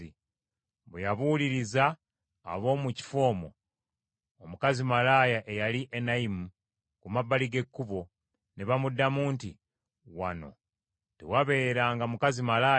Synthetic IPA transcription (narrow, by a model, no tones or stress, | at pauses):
i | βejaβuliɾiza̰ː | βo̞ːmuci̥fo̞ːmo̞̰ | omukazimalajaʔejaliʔenaimu | kumabːaliɡe̞kːuβo̞ | neβamudːamuːntḭ | wa̰no̞̰ | tḛwaβe̞ːɾaːŋɡamukazimalaː